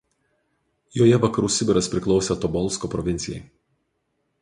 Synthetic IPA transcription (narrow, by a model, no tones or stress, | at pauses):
joːjɛʋɐkɐɾuːsʲɪbʲɪɾɐspʲɾʲɪklˠɒʊsʲɛt̪ɔbɔlˠˑskoːpɾɔʋʲɪnʲt̪sʲɪjɛ̰ɪ